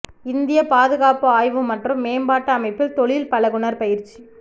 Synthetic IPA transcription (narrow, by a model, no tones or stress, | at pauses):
ɪnd̪ɪjɐpaːðɯɣaːpɯaːjʋɯmːɐʈrɯmːeːmbaːʈːɐɐmɐɪpːɪlt̪ɔɭɪlpɐlɐɣʊɳɐɾpɐjɪɾt͡ʃːi